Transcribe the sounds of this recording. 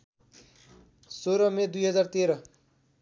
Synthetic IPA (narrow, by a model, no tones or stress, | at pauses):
soɾʌmed̪ujɦʌd͡zart̪eɾʌ